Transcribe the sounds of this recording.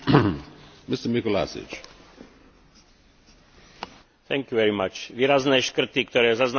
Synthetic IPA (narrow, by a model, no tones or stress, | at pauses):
mɪstəmɪkɔla̰sɪ̰t͡ʃ | θɛŋkjuʋɛɾimat͡ʃʋiːɾaznɛːʃkr̩t̪ikt̪ɔɾɛːzazn